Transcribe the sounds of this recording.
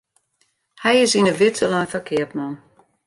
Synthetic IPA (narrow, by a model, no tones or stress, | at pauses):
hɛjɪsinəʋɪtʰəlanfakʰɪətmɔn